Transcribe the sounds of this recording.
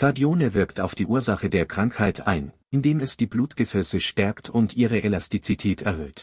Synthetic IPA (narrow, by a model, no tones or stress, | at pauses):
ɡ̥aɐdioːnəvɪɐktʰaʊfd̥iːʔuːɐzaχədeːɐkʁ̥aŋkhaɪtʰa̰ɪnʔɪndeːmɛsd̥iːbluːtɡ̥əfɛsəʃtɛɐktʰʊntʔiːʁ̞əʔɛlastit͡sitʰɛːtʰɛɐhøːt